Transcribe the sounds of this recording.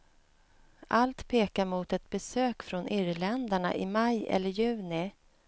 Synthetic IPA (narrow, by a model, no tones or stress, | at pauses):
ʔalt̪pʰeːkaɾmʊːt̪ɛt̪̚bɛsøːkfɾɔnʔɪɾlɛnd̪aɳa̰ʔɪ̰majʔɛ̰lːəɾjʉ̟ːnɪ